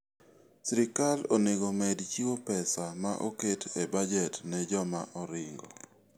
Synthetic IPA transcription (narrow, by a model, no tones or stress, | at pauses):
sɾɪkaloneɡomɛdt͡ʃiwopɛsamaʔoketʰebad͡ʒɛtnɛd͡ʒɔma̰ʔɔɾɪŋɡɔ̰